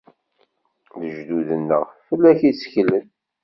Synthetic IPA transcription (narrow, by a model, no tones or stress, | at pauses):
ðəʒd̪uðənːəʁffəlːæçisçlən